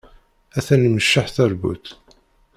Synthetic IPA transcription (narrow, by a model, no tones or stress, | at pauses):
æθænməʃːaħθæɾbṵt̪